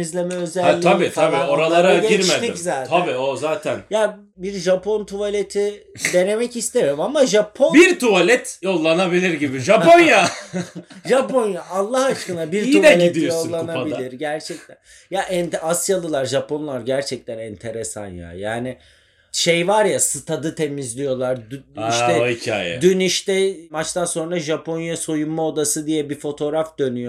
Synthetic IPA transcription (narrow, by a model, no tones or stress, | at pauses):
izlʲe̞mɛø̞zɛlːʰabit̪ʰabioɾalˠaɾaɟiɾmed̪izaːt̪ʰabiːozaːt̪ʰænja | biɾʒapʰo̞nt̪ʰualʲe̞t̪ʰi | d̪e̞ne̞mɛcist̪ʰeɾimamaʒapʰo̞nbiɾt̪ʰualʲɛt̪jo̞lˠːanabilʲiɾɟibiʒaponja | ʒapo̞njaʔːlˠːahat͡ʃkɯnabiɾiuɛalʲietd̪ijjoslˠːanabilʲiɾɟæɾt͡ʃʰɛc̚t̪ʰæn | jaʔɛnt̪ɛasjalˠɯlˠaɾʒapʰo̞nlˠaɾɟæɾt͡ʃʰɛc̚t̪ʰɛnɛnt̪ʰe̞ɾesa̰nja̰jaːnɪ | ʃejvaɾjasɯt̪ʰad̪ɯt̪ʰe̞mizlʲijo̞lˠaɾd̪iʃɛicʰa̰jɛ̰d̪yniʃt̪ɛmat͡ʃt̪anso̞nɾaʒapʰo̞njaso̞jummao̞d̪asɯd̪ijɛbifo̞t̪ʰo̞ɾafd̪̥ø̞nyjo